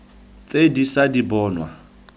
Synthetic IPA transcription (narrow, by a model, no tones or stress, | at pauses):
t͡sʼedisadibɔːnwa̰